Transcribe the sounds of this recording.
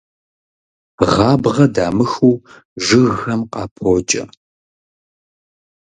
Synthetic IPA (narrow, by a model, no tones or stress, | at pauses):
ʁɑːbʁɐdaːmɨxuː | ʒɨɣɐmqɑːpʰoːt͡ʃʼɐ̰